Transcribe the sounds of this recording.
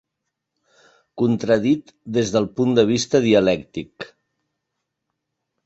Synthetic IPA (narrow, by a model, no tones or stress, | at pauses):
kunt̪ɾəð̞it̪ | d̪ezðəlˠpund̪əβ̞ist̪əð̞iəlɛkt̪ik